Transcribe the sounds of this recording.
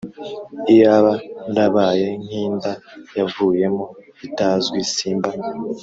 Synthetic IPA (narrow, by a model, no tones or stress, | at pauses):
ijaβaɾaβaːje̞ŋ̥hiːndajavuːje̞mo | itazɡwisiːmba